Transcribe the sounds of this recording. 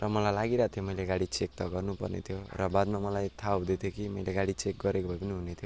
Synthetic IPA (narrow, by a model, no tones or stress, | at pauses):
rʌmʌlajlaɡiɾat̪ʰjomʌjleɡaɽit͡sek̚t̪ʌɡʌrnupʌ̰rnḛt̪ʰjorʌbad̪mamʌlajt̪ʰaɦud̪et̪ʰjokimʌjleɡaɽit͡sek̚ɡʌɾekobʱʌjbʌniɦunet̪ʰo